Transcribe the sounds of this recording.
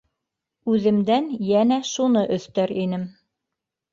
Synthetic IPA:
ʉðɘ̆md̪ænjænæʃunɤʔɵ̆θt̪æɾinɘm

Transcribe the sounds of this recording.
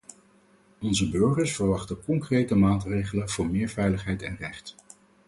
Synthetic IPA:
ɔnzəbøɹχəɹsfəɹʋɑχtəkɔŋkrejtəmaːtrejχələnv̥ʊːɹmɪːɹvɛjləχɦɛjtɛnrɛχt

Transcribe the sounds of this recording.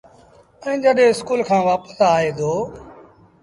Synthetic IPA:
ɛ̃ːd͡ʒəɗẽːɪskuːlkʰãːʋaːpə̥saːɦeːd̪ʱoː

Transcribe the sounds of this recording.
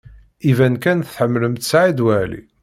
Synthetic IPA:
ivænkænθħəmːləmt̪sʕid̪wælḭ

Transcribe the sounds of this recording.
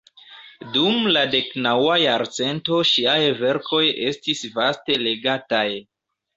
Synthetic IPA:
dumlade̞knawajaɾt͡se̞nto̞ʃiajve̞ɾko̞je̞stisvaste̞le̞ɡataj

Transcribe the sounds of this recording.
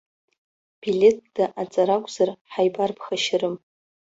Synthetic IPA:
b̥ilʲe̞t̚ʰd̥aʔat͡sʼaɾakʷʼz̥arħajbarpʰχaʃɪɾɨm

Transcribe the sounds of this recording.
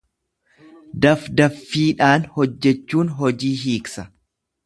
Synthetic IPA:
d̪ɐfd̪ɐfːiːᶑaːnhɔd͡ʒːɛt͡ʃːuːnɦɔd͡ʒiːɦiːksɐ

